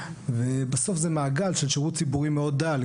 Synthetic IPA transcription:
vebaso̞fzemaːɡalʃelʃeʁut̪t͡sibuʁimeo̞d̪ːal

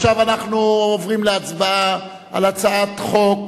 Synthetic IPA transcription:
ʃavanaχnuovʁimleat͡sba | a̰lat͡saat̪χo̞k

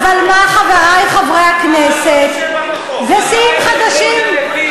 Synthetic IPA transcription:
valmaχavaajχavʁaakneset | vesiimχad̪aʃim

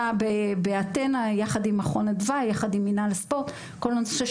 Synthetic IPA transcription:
abebeat̪enajaχad̪imaχonedvajaχad̪iminalespo̞ʁt̪ | kolanso̥ʃeʃ

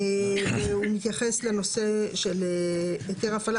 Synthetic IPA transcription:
veumit̪jaχesleno̞seʃeleeteʁafal

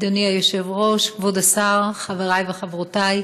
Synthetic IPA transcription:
d̪oniajoʃe̞vʁo̞ʃkvod̪asaʁχaveʁajbeχavʁotaj

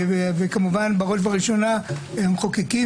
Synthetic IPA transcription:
vevekamuvanbaʁo̞ʃ̬vaʁiʃo̞nahemχokiki

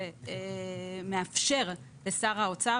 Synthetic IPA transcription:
e | meafʃe̞ʁ | besaʁaot͡sa

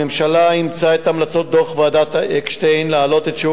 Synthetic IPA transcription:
emʃalaimt͡saet̪amlat͡so̞t̪̚d̪oχvead̪at̪ʔekʃt̪ejnnlealo̞t̪etʃu

